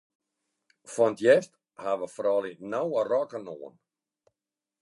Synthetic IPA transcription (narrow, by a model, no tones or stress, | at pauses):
fɔntjɛst | haʋəfrɔlinawərɔkənoən